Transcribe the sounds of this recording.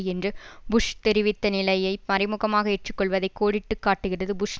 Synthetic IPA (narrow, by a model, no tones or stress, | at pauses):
ɛndrɯbʊʂt̪ɛɾɪʋɪt̪ːɐnɪlɐjɐɪmɐɾɪmɯɣɐmaːɣɐɛʈrɯkːɔɭʋɐðɐɪkːoːɽɪʈːɯkːaːʈːɯɣɪrɐðɯbʊʂ